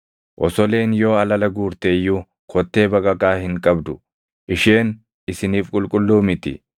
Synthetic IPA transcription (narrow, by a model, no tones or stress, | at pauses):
ʔɔsɔle̞ːnjo̞ːɐlɐlɐɡuːɾt̪eːjːu | kʰɔt̪ːe̞ːbɐkʼɐkʼaːhɪŋkʼɐbd̪ʊ | ʔɪʃeːn | ɪsɪniːfkʼʊlkʼʊlːuːmɪt̪ɪ̰